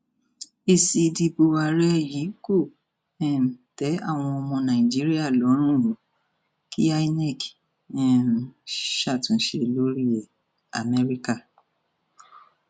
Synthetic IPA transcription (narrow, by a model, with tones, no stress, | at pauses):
i˦˨si˧di˧bo˧wa˧ɾɛ˦˨ji˨˦ko˦˨ | ɛ˦˨m˨tɛ˨˦a̰˦˨w̃ɔ̃˧ɔ˧mɔ̃˧nã˨ĩ˨d͡ʒi˦ɾi˦a˦˨lɔ˨˦ɾ̃ũ˦˨ɾũ˨˦ | kʰi˦a˦i˦nɛ˦˨k | ɛ˨ | ʃa˦˨tũ˨˦ʃe˧lo˦ɾi˦ɛ˨ | a̰˨mɛ˧ɾi˦ka˦˨